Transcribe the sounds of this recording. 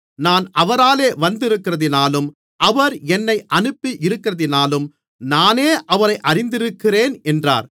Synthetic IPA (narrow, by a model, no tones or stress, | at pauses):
naːnʔɐʋɐɾaːleːʋɐnd̪ɪɾɯkːɪrɐðɪnaːlɯm | ʔɐʋɐɾɛnːɐɪʔɐnɯpːiʔɪɾɯkːɪrɐðɪnaːlɯm | naːneːʔɐʋɐɾɐɪʔɐrɪnd̪ɪɾɯkːɪreːnɛndra̰ːɾ